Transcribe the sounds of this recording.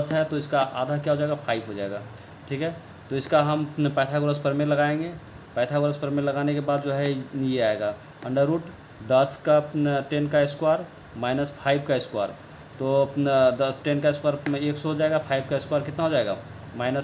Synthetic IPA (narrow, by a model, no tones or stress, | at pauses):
d̪əsɦɛt̪oɪskaʔa̰ːd̪ʱakjaɦod͡ʒaeɡapʰaːɪbɦod͡ʒaːḛɡaː | ʈʰiːkɦɛː | t̪oɪskaɦəmpɛ̃ːt̪ʰaɡʊɾəspəɾmeɾlɐɡaẽŋɡe | pɛ̃ːt̪ʰaɡʊɾəspəɾmeɾlɐɡaːnekebaːd̪d͡ʒoɦɛjeaeɡaː | ə̃ɳɖəɾːuːʈ | d̪əskaʈenkaɪskwaːɾ | maːɪnəspʰaːɪbʱkaɪskwa̰ːɾ | t̪od̪ʈenkaɪskwaːɾeːksɔɦod͡ʒaeɡapʰaːɪb̚kaɪskwaːɾkɪt̪naɦod͡ʒaeɡa̰ | maːɪnəs